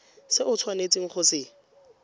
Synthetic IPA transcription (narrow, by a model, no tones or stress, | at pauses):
sɪʔʊt͡sʰwanet͡sʼiŋ̩χʊsɪ